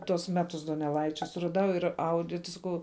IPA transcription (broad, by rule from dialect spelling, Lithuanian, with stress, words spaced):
tuɔs ˈmʲæːtʊs doːnʲɛˈlˠɐɪt͡ʃʲɛ sʊrɐˈdɐʊ ɪr ˈɐʊdʲɪ tʲɪ sɐˈkɐʊ